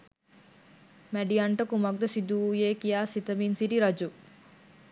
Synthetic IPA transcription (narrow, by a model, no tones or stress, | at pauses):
mæɖijaɳʈəkumɐk̚d̪əsid̪ujeːkijaːsit̪əminsiʈiɾɐd͡ʒu